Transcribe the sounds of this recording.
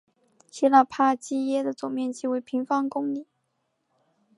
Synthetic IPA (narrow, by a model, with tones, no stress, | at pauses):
t͡ɕi˥la˥˩pʰa˥˩t͡ɕi˥jɛ˥d̪ə˨t͡sʊ˨˩ŋmjɛ˥˧nt͡ɕi˥˩we˧˥ɪpʰi˧˥ŋfɑ˥ŋkʊ˥ŋli˨˩˦